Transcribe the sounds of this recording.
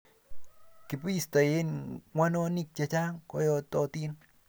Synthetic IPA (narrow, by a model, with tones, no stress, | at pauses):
kɪ˨pi˦sta˨je˦nŋwʷa˦no˦ni˦k̚t͡ʃat͡ʃa˦ŋkɔ˦jɔ˦tɔ˦ti˦n